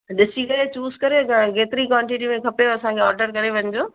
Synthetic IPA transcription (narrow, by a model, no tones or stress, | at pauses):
ɗɪsikɐɾet͡ɕuːzkɐɾeɡeːt̪ɪɾikwãːɳʈiʈ̬imẽkʰɐpeɐsãkʰeɔːɾɖəɾkɐɾeʋɐ̃ɲd͡ʑoː